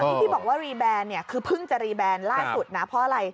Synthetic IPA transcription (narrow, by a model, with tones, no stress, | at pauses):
nʰiː˦˥˩t̪ʰiː˥˩bɔː˨˩k̚waː˥˩ɾiː˧bɛː˧nnːi˥˩ɐkʰɯː˧pʰɯ˥˩ŋt͡ɕa˨˩ɾiː˧bɛː˧nlaː˥˩su˨˩t̪̚na˦˥pʰɔ˦˥ʔa˧ɾa˧j